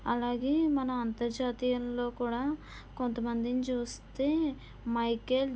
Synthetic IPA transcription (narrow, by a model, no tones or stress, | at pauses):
ɐlaːɡe̞ːmɐnɐɐnt̪ɐɾd͡ʒaːt̪ijɐnlo̞ːkuːɽaː | ko̞nt̪ɐmɐnd̪init͡ʃuːst̪e̞ː | mɐjkeːl